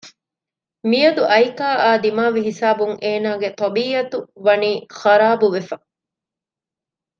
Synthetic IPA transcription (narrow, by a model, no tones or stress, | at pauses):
mijɐd̪uʔɐjkaːʔaːd̪imaːʋiɦisaːbuŋʔeːnaːɡet̪ɐbiːɐt̪uʋɐniːxɐɾaːbuʋefɐ